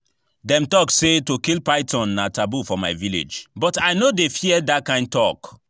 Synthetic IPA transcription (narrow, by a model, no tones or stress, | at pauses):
dɛ̃mtɔksetokilpaɪtʰɔ̃nːatabufɔma̰ɪvilḛd͡ʒbɔtaɪnodefiɛdat̚kãɪ̃nd̚tɔk